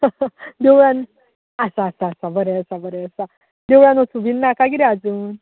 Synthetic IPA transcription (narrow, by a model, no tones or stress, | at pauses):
d̪ewɽan | əsaːsaːsabəɾɛəsabəɾɛəsa | d̪eʋɽãnɔt͡subinːakaɡiɾiad͡zuːn